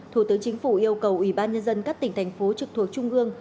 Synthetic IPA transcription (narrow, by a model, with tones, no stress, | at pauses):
t̪ʰu˧˩t̪ɨ˨˦ŋt͡ɕï˨˦ŋ̟fu˧˩ʔi˧əwkə˨˩wʔwi˧˩ɓaː˧nɲə˧nzə˧nkaː˦˥k̚t̪ï˧˩ŋ̟t̪ʰa˨˩jŋ̟fo˨˦t͡ɕɨ˨˩k̚t̪ʰu˨˩ək̚t͡ɕʊ˧ŋ͡mʔɨ˧əŋ